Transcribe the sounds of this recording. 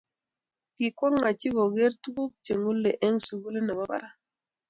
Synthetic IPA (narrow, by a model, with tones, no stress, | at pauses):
ki˨kwɔ˦ŋːa˨t͡ʃi˦ɡo˨ɡe˦ɾtu˦ku˦k̚t͡ʃe˨ŋu˦lːe˨ʔɛ˦ŋsu˨ɡu˦le˦nɛ˨ba˦ba̰˨ɾa˦